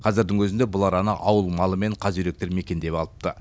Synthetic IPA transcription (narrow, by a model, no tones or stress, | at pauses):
qʰɑzɪɾd̪ɪŋwɵzɪnd̪ebʊlˠɑɾɑnəʔɑwəlˠmɑlˠəme̞ɴqʰɑzʒʏɾe̞k̚t̪eɾme̞kʲe̞nd̪e̞pɑlˠəp̚t̪ə